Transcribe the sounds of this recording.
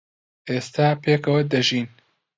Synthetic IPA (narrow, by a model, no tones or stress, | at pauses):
ʔeːst̪ʰaːpʰeːkʰɐwɐd̪ɐʒiːn